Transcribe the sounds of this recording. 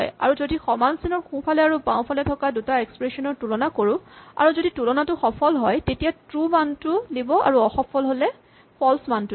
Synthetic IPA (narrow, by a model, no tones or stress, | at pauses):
ja̰ɹuzodixɔmansinɔɹxũpʰalɛaɹupãʊ̃pʰalɛtʰɔkadutaekspɹesɔnɔɹtulɔnakoɹʊ̃a̰ɹuzoditulɔnatʊxɔpʰɔlɦɔjtetijatɹumantʊdibɔa̰ɹuɔxɔpʰɔlɦolɛ | pʰɔlsmantu